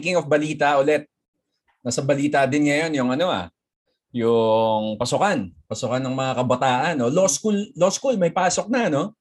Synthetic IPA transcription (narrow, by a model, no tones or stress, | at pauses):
kɪŋofbɐliːt̪ɐʔʊlɛt̪̚ | nɐsɐbɐliːt̪ɐd̪ɪnŋɐjo̞njʊŋʔɐno̞ʔa̰ | jʊŋpɐsʊkanpɐsʊkanːɐŋmɐŋakɐbɐt̪aːʔɐnːo̞loskulloskulmɐjpaːso̞k̚nɐno̞